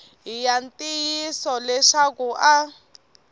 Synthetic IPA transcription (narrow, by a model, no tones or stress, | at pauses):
ɦijantʼijisɔlɛʃakuʔa